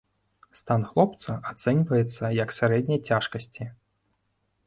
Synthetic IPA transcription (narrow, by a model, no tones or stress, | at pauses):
st̪anxlˠɔpt̪sɐʔat̪sɛnʲvɐjɛt̪sːɐjɐksʲaɾɛd̪ʲnʲɐjt͡sʲaʂkɐsʲt͡sʲi